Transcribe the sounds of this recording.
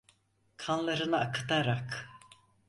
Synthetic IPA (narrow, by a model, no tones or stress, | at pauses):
kʰanlˠaɾɯnɯakʰɯ̥t̪aɾak